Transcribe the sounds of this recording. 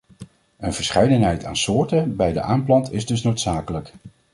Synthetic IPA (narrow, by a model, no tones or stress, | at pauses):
ənv̥əɹsχɛjdənɦɛjta̰ːnsʊːɹtəbɛjdə̰ʔaːmplɑntɪzdɵsnowtsaːkələk